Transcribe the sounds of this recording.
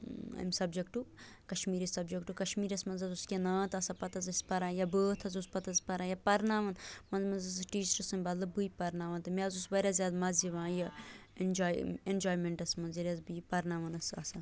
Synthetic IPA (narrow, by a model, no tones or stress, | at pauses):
ɐ̰msɐbd͡ʒekʈukɐʃmiːɾisɐbd͡ʒekʈukɐʃmiːɾɐsmɐnzɐzuskʲenaːt̪ɐsapɐt̪ɐzɐsʲpɐɾãːjɐbəːt̪ʰɐzuspɐt̪ɐzpɐɾaːjɐpɐɾnaːʋɐnmɐnzmɐnzɐzʈiːt͡ʃɐɾɐsɨnbɐt̪lɐbɨipɐɾnaːʋɐnt̪ɨmaːzusbɐɾʲazjaːd̪mɐziʋãːjɐnd͡ʒaːend͡ʒoːjmeɳʈɐsmɐnziɾʲazbipɐɾnaːʋɐnɐsɐ̰sa